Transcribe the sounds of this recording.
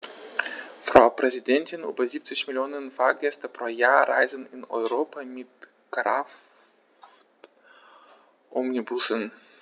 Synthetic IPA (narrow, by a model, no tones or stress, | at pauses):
fʁ̥aʊpʁ̥ɛzidɛntɪnʔy̰ːbɐziːp̚t͡sɪçmɪljoːnənfaːɐɡɛstɐpʁ̥oːjaːɐʁa̰ɪzənɪnɔ̰ʏʁoːpʰamɪt | kʁaf | ʔɔmnibʊsən